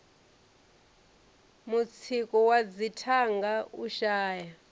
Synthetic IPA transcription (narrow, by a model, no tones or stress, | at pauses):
mut͡sʰikʼɔwad͡zitʰaŋɡauʃaːja